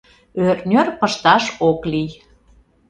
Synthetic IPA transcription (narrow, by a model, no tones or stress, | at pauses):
ørnʲørpəʃt̪ɑʃoklij